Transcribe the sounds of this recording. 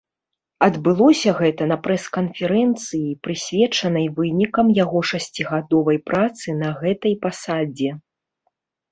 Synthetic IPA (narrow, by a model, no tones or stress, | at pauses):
ɐd̪bɨlˠɔsʲɐɣɛt̪ɐnɐpɾɛskɐnfʲɛɾɛnt̪sɨjipɾɨsʲvʲɛt͡ʂɐnɐjvɨnʲikɐmjaɣɔʂasʲt͡sʲiɣad̪ɔvɐjpɾʔat̪sɨnɐɣɛt̪ɐjpasad͡zʲɛ